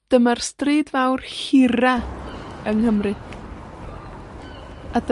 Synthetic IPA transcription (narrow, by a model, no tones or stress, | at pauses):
d̥əmarstriːdvawrhɪɾa | əŋhəmrɨ | ad